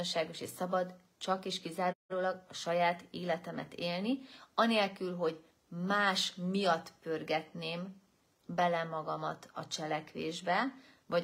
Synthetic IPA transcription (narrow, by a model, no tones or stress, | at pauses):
onʃaːɡo̞ʃḛːʃsɒbɒd̪ | t͡ʃɒkeːʃkizaːɾɾoːlɒɡɒʃɒjaːt̪eːlɛt̪ɛmɛ̰t̪eːlniɒneːlkylɦo̞ɟ | maːʃmijɒt̪ːpørɡɛt̪neːm | bɛlɛmɒɡɒmɒt̪ɒ̰t͡ʃɛlɛkʋḛːʒbɛ | vɒ